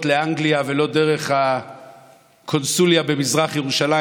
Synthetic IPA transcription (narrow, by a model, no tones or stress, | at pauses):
t̪leaŋɡliave̞lo̞de̞ʁe̞χha | kʰo̞nsuljabe̞mizʁaχjeʁuʃala